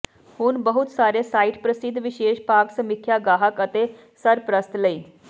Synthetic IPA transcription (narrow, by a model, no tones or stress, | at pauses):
hʊnbəɦʊt̪saːɾesaːiʈpɾəsɪd̪ʱʋɪʃeːʃpaːksəmɪkʰːjaɡaːɦəkət̪e | səɾpɾəst̪ləiː